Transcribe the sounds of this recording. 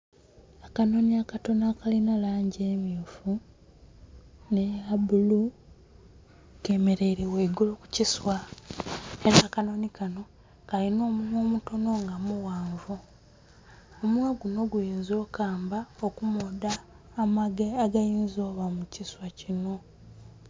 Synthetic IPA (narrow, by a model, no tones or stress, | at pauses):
akano̞niakato̞nakalinalaːɲɟeːmjuːfu | nejabulu | ke̞me̞ɾe̞iɾeweɡoloku̥ciswa | e̞ɾaːkano̞nikano̞ | kalino̞ːmumoːmuto̞no̞ŋɡamuwaːɱvu | omwaɡuno̞ɡujiːnzo̞ːkaːmbaokumodaː | maɡeaɡajiːnzo̞ːβamuciswacino̞